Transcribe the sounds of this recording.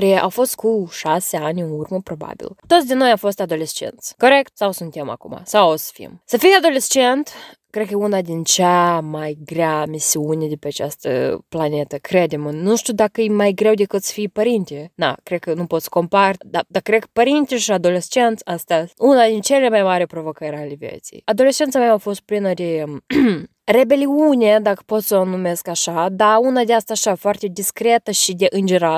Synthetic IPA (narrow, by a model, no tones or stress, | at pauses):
ɾeʔa̰wfo̞st̪̚kuʃaseanʲɨnurməpɾo̞ba̰bḭlt̪ot̪sʲd̪ʲenojamfo̞st̪ad̪o̞lʲest͡ʃḛnt̪sko̞ɾekt̪sawsunt̪ʲema̰kuma̰sawsə̥fiḭmsəfijad̪o̞lʲest͡ʃent̪kɾekəunad̪ʲint͡ʃamajɡɾʲamisiunʲed̪epʲeat͡ʃast̪ə̰planʲe̞t̪əkɾed̪ʲemnuʃt̪ʲud̪akəjmajɡɾewd̪ekɨt̪sə̥fijpəɾint̪ʲed̪a̰kɾed̪̚kənupo̞t̪sə̥ko̞mpard̪ad̪akɾekəpəɾint̪ʲeʃiad̪o̞lest͡ʃe̞nt̪sʲast̪ʲaunad̪int͡ʃelʲemajmaɾʲepɾo̞vo̞kəɾʲalʲevjḛt̪sḭjad̪o̞le̞st͡ʃe̞nt̪sameaafo̞st̪̚plinəd̪e̞ | re̞be̞liunʲed̪akə̥po̞t̪sonume̞skaʃad̪aunad̪ʲeast̪aːʃafoart̪ʲe̞d̪iskɾe̞t̪əʃid̪e̞ʔɨnd͡ʒeɾa